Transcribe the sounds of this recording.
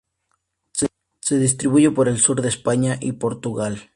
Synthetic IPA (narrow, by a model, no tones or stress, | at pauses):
s | se̞ðis̬t̪ɾiβuʝe̞poɾe̞lsuɾðespaɲaʔipo̞ɾt̪uɣal